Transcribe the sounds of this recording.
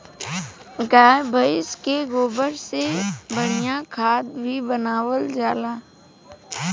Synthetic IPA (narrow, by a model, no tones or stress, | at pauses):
ɡaːjbʱəɪskeɡoːbəɾsebəɽ̤ijakʰaːd̪̚bʱibənaːwəld͡ʒaːlaː